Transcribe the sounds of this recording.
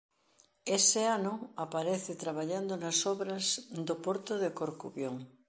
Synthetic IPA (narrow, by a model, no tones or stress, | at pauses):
esɪanʊapaɾeθɪt̪ɾaβ̞aʎand̪onasɔβɾɐzd̪opoɾt̪ʊðekoɾkuβjoŋ